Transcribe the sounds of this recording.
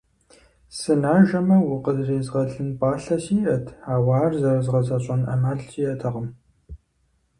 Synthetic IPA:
sɨnaːʒɐmɐwʊqəzreːzʁɐɮɨnpʼɑːɬɐsiːʔɐtʰħaːwaːrzɐrɐzʁɐzɐɕʼɐnɐ̰maːɮt͡ʃʼiːjɐtʰɐʁəm

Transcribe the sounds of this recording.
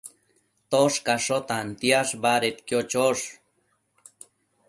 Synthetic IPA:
t̪oʂkaʂot̪ant̪jaʂbaɾet̪kjot͡ʃoʂ

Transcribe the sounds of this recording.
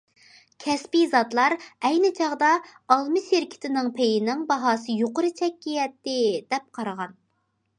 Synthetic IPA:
kʲʰɛspizɑt̪lˠɑɾɛjnɪt͡ʃʰɑʁd̪ɑ | ɑlˠmɨʃeɾkʲʰɪ̥t̪ʰɪnɪŋpʰejinɪŋbɑɦɑːsɨjoqʊɾɨt͡ʃʰɛkʲːijɛt̪ːɪd̪ɛp̚qʰɑɾəʁɑn

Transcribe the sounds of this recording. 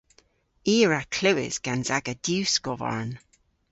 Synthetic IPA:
iːɹakʰl̥ɪwɪ̰z̥ɡ̥anzaɡəd̥jʉːsɡ̥ɔva̰ɹn

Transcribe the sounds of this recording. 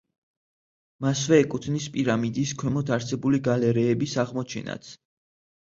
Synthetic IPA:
masvɛːkʼut̪ʰnispʼiɾamid̪iskʰwɛmɔt̪ʰaɾsɛbuliɡalɛɾɛːbisaʁmɔt͡ʃʰɛ̰na̰t̪sʰ

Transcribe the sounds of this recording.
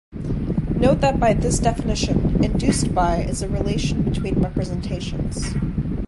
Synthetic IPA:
noʊt̪̚ðɨt̚b̥aɪðɪsd̥ɛfɨnɪʃɨ̃nɨ̃ndʉstb̥aɪʔɪzɨɹileɪʃn̩bɨtʰw̥ĩnɹɛpɹɨzɛ̃ntʰeɪʃɨ̰̃nz̥

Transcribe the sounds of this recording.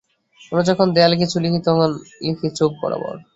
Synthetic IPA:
onod͡ʑɔkʰond̪ɛalk̬it͡ɕʰulikit̪oɦɔnlikʰit͡ɕok̚kɔ̰ɾa̰bɔ̰ɾ

